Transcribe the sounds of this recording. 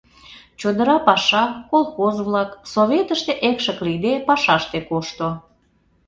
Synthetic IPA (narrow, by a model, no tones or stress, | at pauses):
t͡ɕod̪əɾɑpɑʃɑkolˠxozβlɑksoβʲet̪əʃt̪eʔekʃəklid̪epɑʃɑʃt̪ekoʃt̪o